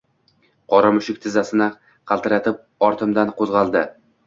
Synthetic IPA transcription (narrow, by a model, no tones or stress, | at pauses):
qʰɒɾamʊʃɪk̚ʲt̪ʰɪzasɪnɪ | qʰɑlˠt̪ɪɾat̪ʰɪp̚ | ɒɾt̪ʰɪmd̪anqʰozʁɑlˠd̪ɪ